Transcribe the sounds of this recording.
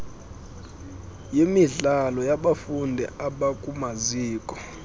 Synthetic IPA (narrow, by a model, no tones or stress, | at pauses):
jimiɮalɔjaɓafundʱɛ̰aɓakʼumaziːkʼɔ̥